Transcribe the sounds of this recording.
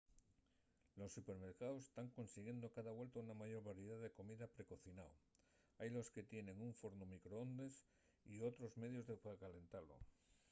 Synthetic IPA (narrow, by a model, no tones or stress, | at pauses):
lo̞sːupe̞ɾme̞ɾkaðo̞se̥st̪aŋko̞nsiɣje̞nd̪okaðaβwelt̪ounamaʝo̞ɾβaɾjeðaðe̞ko̞miðapɾe̞ko̞θinao | ajlo̞ske̞t̪je̞ne̞ŋuɱfo̞ɾnumikɾoond̪e̞s | io̞t̪ɾo̞zme̞ðjo̞zðepakale̞nt̪alo̞̰